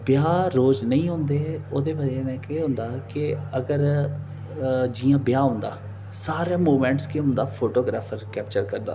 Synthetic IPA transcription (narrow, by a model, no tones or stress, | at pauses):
bɪjaːɾoːd͡ʒnəĩːɦõːnd̪eːoːd̪eːbəd͡ʒeːnɛ̃ːkeːɦõnd̪aːkɪəɡəɾ | d͡ʒiːãːbɪjaːɦʊ̃nd̪a̰ː | saːɾeːmuːmɛ̃ːɳʈskeɦʊ̃nd̪aːpʰoːʈoːɡɾaːpʰəɾkɛːp̚t͡ʃəɾkəɾd̪a̰ː